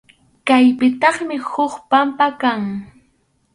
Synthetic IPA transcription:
kajpɪt̪ɑχmɪhʊχpampakaŋ

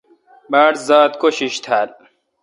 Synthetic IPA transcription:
baːɽzaːt̪koɕiɕt̪ʰaːl

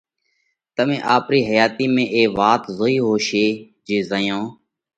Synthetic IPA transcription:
t̪əmẽːʔaːpɾiːɦəjaːt̪iːmẽːʔeːʋaːt̪zoːiːɦoːʃeː | d͡ʒeːzəjõː

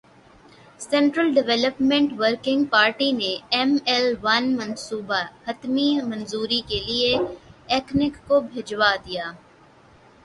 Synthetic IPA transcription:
sɛ̃ːɳʈɾəlɖɪʋɛləpmẽɳʈʋəɾkɪ̃ŋɡ̚paːɾʈineɛmɛlʋɐnmɐ̃nsuːbahɐt̪mimɐ̃nzuːɾikelieɛːknɪkːobʱed͡ʒʋad̪ijaː

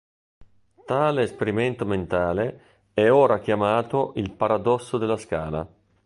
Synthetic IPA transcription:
t̪aːleːspeɾiment̪oment̪aːle | ɛoːɾak̟jamaːt̪oʔilpaɾad̪ɔsːod̪elːaskaːla̰

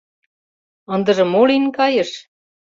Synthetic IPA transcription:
ɤ̆nd̪ɤ̆ʒɤ̆molinkɑjɤ̆ʃ

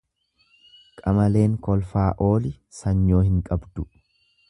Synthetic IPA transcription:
kʼɐmɐle̞ːŋkɔlfaːʔo̞ːlɪ | sɐɲːo̞ːhɪŋkʼɐbd̪ʊ

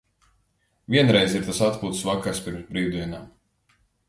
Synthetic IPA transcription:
viɛnɾɛjziɾt̪asat̪puːt̪svakaɾspiɾmzbɾiːd̪iɛnaːm

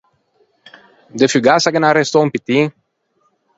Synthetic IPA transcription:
d̪əfyɡasaɡənaɾest̪ompit̪iŋ

